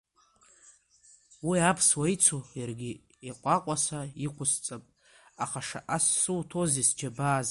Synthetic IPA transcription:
wiapʰswajt͡sʰojarɡʲi | eqʷʼaqʷʼasaiqʷʰʊst͡sʼapʼ | aχaʂa̰ʔasːɨwtʰo̞zisd͡ʒabaːz

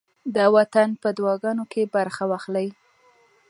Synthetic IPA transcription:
d̪əwat̪anpəd̪wɑɡɑnokʰebaɾxawɑxlaj

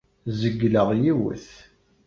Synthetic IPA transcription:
zəɡːləʁjiwə̰θ

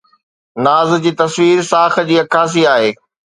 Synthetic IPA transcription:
naːz̆d͡ʑiːt̪ɐsʋiːɾsaːx̆d͡ʑiːɐkʰaːs̬iaːɦeː

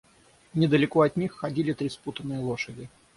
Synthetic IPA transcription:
nʲɪd̪əlʲɪkoɐt̪ʲnʲixːɐdʲilʲɪt̪ɾʲisput̪ənːɨjəlˠo̞ʂədʲɪ

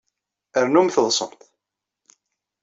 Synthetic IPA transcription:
əɾnumθəðˤsˤəɾt̪ˤ

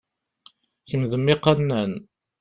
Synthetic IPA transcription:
çəmðəmːɪqanːæn

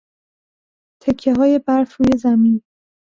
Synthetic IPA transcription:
t̪ʰe̞cʰːe̞ɦɒːje̞bæɾfɾuːje̞zæmin

